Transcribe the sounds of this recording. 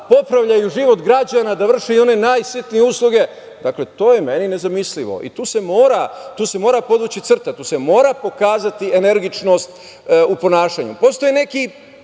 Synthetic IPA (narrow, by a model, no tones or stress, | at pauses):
po̞pɾaʋʎajuʒiʋo̞t̪ɡɾad͡ʑanad̪aʋr̩ʃeio̞ne̞naːjsit̪nijeuslˠuɡe̞ | d̪akle̞t̪o̞ːjeme̞nine̞zamisliʋo̰ʔḭt̪uːse̞mo̞ːɾat̪uːse̞mo̞ːɾapo̞d̪ʋut͡ɕit̪sr̩t̪at̪uːse̞mo̞ːɾapo̞kaːzat̪iene̞ɾɡit͡ʃno̞st̪ | upo̞naːʃaɲṵpo̞st̪o̞jene̞ki